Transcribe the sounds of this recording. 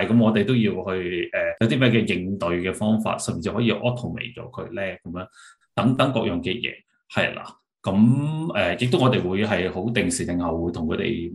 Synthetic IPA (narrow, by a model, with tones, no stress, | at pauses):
ɐ˨jkɐ˨˥mŋɔː˨˧t̪e˨jt̪o˥wjiː˧whɵ˧ɥɛː˨˩jɐ˨˧wt̪̬iː˥mɛː˥kɛː˧jɪ˧ŋt̪ɵ˨ɥkɛː˧fɔː˥ŋfa̰ː˧t̚sɐ˨˩mi˨˩t͡sʰːhɔː˨˥jiː˧ʔɔː˥t̪ʰo˨˩wmḛ˨˩jt͡ʃɔ̰ː˨˥kʰɵ̰˨˧ɥlɛː˥kɐ˨˧˦mjœː˨˥ŋ | t̪ɐ˨˥ŋt̪ɐ˨˥ŋkɔ̰ː˧k̚jɔ˨ŋkɛː˧jɛ̰ː˨˧ | hɐ̰˨jla̰ː˨˩ | kɐ˨˥mʔɛː˨jɪ˨k̚t̪ŋɔː˨˧t̪e˨jwuː˨˧jɦɐ˨jho˨˥wt̪ɪ˨˩ŋsiː˨˩t̪ɪ˨ŋhɐ˨wwuː˨˧jt̪ʰʊ˨˩ŋkʰɵ˨˧t̪ḛ˨˩j